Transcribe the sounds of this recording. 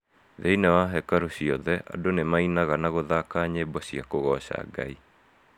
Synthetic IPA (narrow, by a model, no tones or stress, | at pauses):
ðeinɛwaɦɛkaɾoɕiɔðɛʔa̰donemainaɣanaɣoðakaːɲebɔɕiakoɣɔɕa̰ɡa̰i